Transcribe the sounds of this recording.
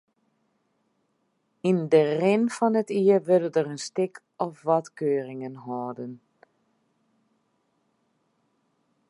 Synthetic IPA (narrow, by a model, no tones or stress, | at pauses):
indərɪnfɔnətiəʋødədərənstɪkʰ | ɔfʋɔtkøːrɪŋənɦɔːdən